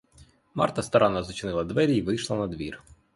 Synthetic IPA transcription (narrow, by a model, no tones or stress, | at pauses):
mɑ̰rt̪ɐst̪ɐɾɑnɑzɔt͡ʃnɪlˠɐd̪ʋɛɾʲiiʋɪjʃlˠɐnɐd̪ʋʲir